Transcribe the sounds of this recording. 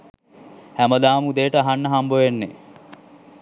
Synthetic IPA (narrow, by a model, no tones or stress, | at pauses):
hæməd̪aːmud̪ejəʈəaɦanːəɦamboʋenːe